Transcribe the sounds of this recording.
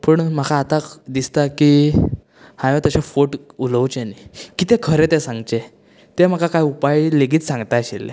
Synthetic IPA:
pəɳm̤əkʰaːt̪ad̪ist̪aki | hãjõt̪əɕẽfoʈuləwt͡ɕenikit̪ɛ̃kʰəɾet̪ɛsãŋɡt͡ɕe | t̪em̤əkʰakajupajleɡiːt͡ssãŋɡt̪aəɕḛlḛ

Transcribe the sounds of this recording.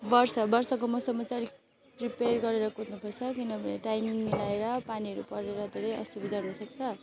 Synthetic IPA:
bʌrsʌbʌrsʌkomʌsʌmʌt͡saɾi | priperɡʌɾeɾʌkot̪nupʰʌrt͡sʰʌkinʌbʱʌnḛʈajmiŋmilaeɾʌpaniɦʌɾupʌɾeɾʌd̪ʱeɾʌjʌ̰st̪ubʱid̪ʌrnʌsʌk̚t͡sʰʌ

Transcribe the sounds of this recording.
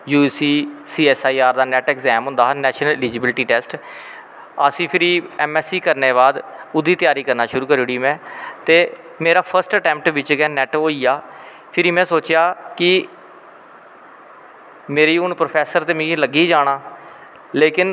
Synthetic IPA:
juːsiːsiːɛːsaːiːaːɾd̪aːnɛːʈɛːkzɛːmɦʊ̃nd̪aːɦːnɛːʃnəlɪliːd͡ʒɪbɪlʈiːʈɛːsʈ | əsĩːpʰɪɾiːɛːmɛːsiːkəɾneːβaːd̪ʊd̪iːt̪ɪjaːɾiːkəɾnaːʃʊɾuːkəɾiɽiːmɛ̃ːt̪eː | meːɾaːpʰəɾsʈəʈɛ̃ːmp̚ʈʋɪt͡ʃɡɛːnɛːʈɦoːiːjaː | pʰɪɾiːmɛ̃ːsoːt͡ʃjaːkɪ | meːɾiːʊnpɾoːpʰɛːsəɾt̪eːmĩləɡiːd͡ʒaːɽ̃aː | leːkɪn

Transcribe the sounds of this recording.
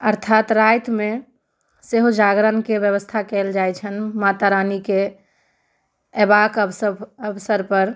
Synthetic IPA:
əɾt̪ʰat̪ɾajt̪me | seɦud͡ʒaɡɾənkebjəβəst̪ʰakɛld͡ʒajt͡ʃʰənmat̪aɾanike | ebakəbəbsəɾpəɾ

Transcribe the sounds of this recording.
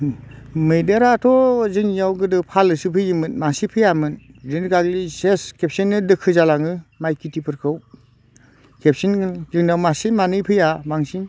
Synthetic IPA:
mɯjdeɾatʰɔzɯŋɲawɡɯdɯpʰalɯsɯpʰɯjimɯnmasipʰɯjamɯndinɡaɡliseskʰep̚sinːɯdɯkʰɯzalaŋɯmajkʰitʰipʰɯɾkʰɯw | kʰep̚sinzɯŋnawmasimanɯpʰɯjabaŋsiŋ

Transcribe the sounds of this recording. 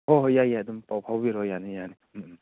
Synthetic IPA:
hɔɦjajadumpawpʰawbiɾɔjanijani

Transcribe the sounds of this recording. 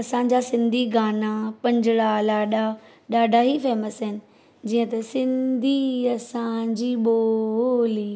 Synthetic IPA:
ɐsãːd͡ʑasɪ̃nd̪ʱiɡaːnapɐ̃ɲd͡ʑɪɽalaːɗa | ɗaːɖʱaɦifɛːməsɦɪnɪ̆ | d͡ʑiːə̃t̪ɐsɪ̃nd̪ʱiɐsãɲd͡ʑiːɓoliː

